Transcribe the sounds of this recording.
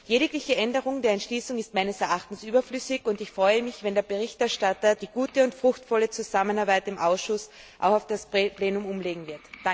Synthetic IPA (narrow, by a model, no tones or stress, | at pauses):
jeːɾɪklɪçəʔɛndəʁʊŋdeːɐɛntʃliːsʊŋɪst̚maɪnəsɛɐʔaχtn̩sʔyːbɐflʏsɪçʊntɪçfʁ̥ɔʏəmɪçv̥ɛndeːɐbəʁɪçtɛɐʃtatɐd̥iːɡ̥uːtəʊntfʁ̥ʊxtfɔlət͡suzamənaɐbaɪtɪmʔaʊsʃʊs | ʔa̰ʊxaʊfd̥asppleːnʊmʊmleːɡŋ̩vɪɐtd̥a